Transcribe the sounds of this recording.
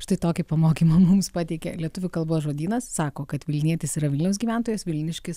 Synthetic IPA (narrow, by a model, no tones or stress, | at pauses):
ʃt̪ɐɪt̪oːkʲɪpɐmoːkʲiːmɐmʊmspɑːt̪ʲɛɪkʲɛ̰lʲiɛt̪ʊʋʲʊkɐlˠboːsʒoːd̪ʲiːnɐssɑːkoːkɐt̪ʋʲɪlʲnʲiɛt̪ʲɪsiːɾɐʋʲɪlʲnʲʊs̬ɡʲiːʋʲæˑnt̪oːjɛsʋʲɪlʲnʲɪʃʲkʲɪs